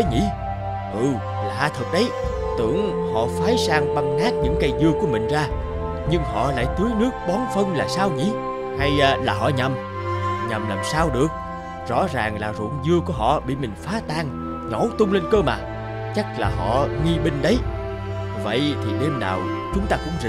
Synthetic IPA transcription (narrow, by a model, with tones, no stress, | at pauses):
ə˨˦ŋḭ˧˥ | ʔɨ˨˩ | laː˨˩haː˧t̪ʰɨ˨˩k̚ɗə˨˦j | t̪ɨ̰˧˩˨əŋhɔ̰˧˨faː˨˦jsaː˧ŋɓa˧ŋŋaː˦˥k̚ɲɨ̰˧˥ŋkaː˧jzɨ˧əku˨˧˩əmï˨˩ŋ̟zaː˧ | ɲɨ˧ŋhɔ̰˧˨la̰ː˧˥˨jt̪ɨ˨˦əjnɨ˦˥ək̚ɓɔ˨˦nfə˧nlaː˨˩saː˧wŋḭ˧˥ | ha˧jlaː˨˩ɦɔ̰˧˨ɲa˨˩m | ɲa˨˩mlaː˨˩msaː˧wɗɨ˨˩ək̚ | zɔ̰˧˥zaː˨˩ŋlaː˨˩zṵ˧˨əŋzɨ˧əku˧˩əɦɔ̰˧˨ɓḭ˧˨mï˨˩ŋ̟faː˨˦t̪aː˧ŋ | ɲɔ˧˩˦t̪ʊ˧ŋ͡mle˧nkəː˧maː˨˩ | t͡ɕa˦˥k̚laː˨˩ɦɔ̰˧˨ŋi˧ɓï˧ŋ̟ɗə˨˦j | və̰˧˨jt̪ʰi˨˩ɗe˧mnaː˨˩w | t͡ɕʊ˨˦ŋ͡mt̪aː˧kʊ̰˧˥ŋ͡mz